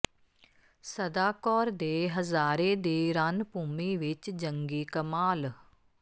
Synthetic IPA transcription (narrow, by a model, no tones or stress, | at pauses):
səd̪aːkɔːɾd̪eːɦəzaːɾeːd̪eːɾanpuːmiːʋɪt͡ʃd͡ʒəŋɡiːkəmaːl